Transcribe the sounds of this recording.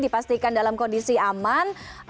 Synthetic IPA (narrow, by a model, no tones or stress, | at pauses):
dipast̪ikandalamkɔndisiaman